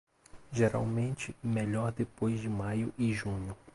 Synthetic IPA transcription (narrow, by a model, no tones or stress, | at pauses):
ʒeɾa̰wmẽnt͡ʃɪmeʎɔɾd̪epojzd͡ʒɪmajʊʔɪʒũɲʊ